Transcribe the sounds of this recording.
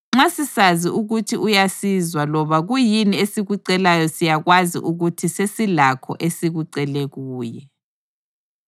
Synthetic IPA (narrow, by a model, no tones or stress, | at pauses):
ŋ͡ǁasisaziʔuɣutʰiʔujasizwalɔβaɣujiniesiɣuǀɛlajɔsijaɣwazḭʔuɣutʰisesilakʰɔ̰ʔesiɣuǀɛleɣuːjɛ